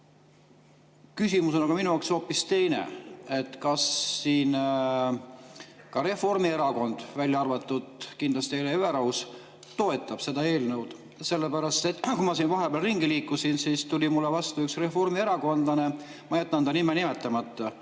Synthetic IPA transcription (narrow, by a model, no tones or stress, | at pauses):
kysʲimuso̞nɑɡ̥ɑminujɑkso̞ːpːˑist̪e̞jnḛe̞t̪ːkɑsːiːn | kɑɾe̞fo̞rmie̞ɾɑko̞nd̪̥vælʲjɑɑrvɑt̪ːˑud̪kind̪lɑst̪ieleyeɾɑws | t̪o̞et̪ːˑɑb̥se̞d̪ɑe̞ːlnɤwd̪̥ | se̞lːepæɾɑst̪ekumɑsiːnvɑɦe̞b̥ɑːlriŋɡ̥iliːkːˑusinsiːst̪ulʲimulːevɑst̪uyksre̞fo̞rmie̞ɾɑko̞nd̪lɑne̞mɑjæt̪ːˑɑnd̪ɑnimenimet̪ːˑɑmɑt̪ːˑɑ